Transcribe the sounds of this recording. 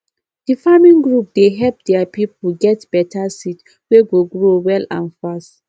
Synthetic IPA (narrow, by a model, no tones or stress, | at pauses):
d̥ifamĩŋɡɹup̚deɦɛlp̚dɛapipuɡɛtb̥ɛtʰasit | weɡoɡɹowɛlãnfast